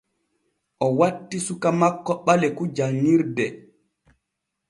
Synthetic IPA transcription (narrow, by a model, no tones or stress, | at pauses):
ʔɔwatːisukamakːɔɓalɛkud͡ʒaŋiɾdɛ